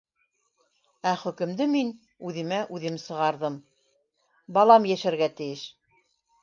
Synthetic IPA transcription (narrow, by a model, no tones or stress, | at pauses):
æχɵ̆kɘ̆md̪ɘmin | ʉðɘ̆mæʔʉðɘmsɤ̆ʁɑɾðɤm | bɑlˠɑmjæʃæɾɡæt̪ɘ̆jɘʃ